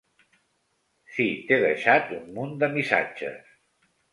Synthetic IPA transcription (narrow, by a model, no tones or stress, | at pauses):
sit̪eðəʃat̪ummund̪əmisa̰̥d͡ʒə̰s